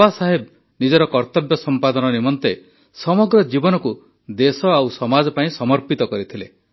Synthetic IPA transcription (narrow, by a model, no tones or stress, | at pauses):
asaɦeb̚ | nid͡ʒɔɾɔkɔɾt̪ɔbjɔsɔmpad̪ɔnɔnimɔnt̪e | sɔmɔɡɾɔd͡ʒibɔnɔku | d̪esɔawsɔmad͡ʒɔpaĩsɔmɔɾpit̪ɔkɔɾit̪ʰile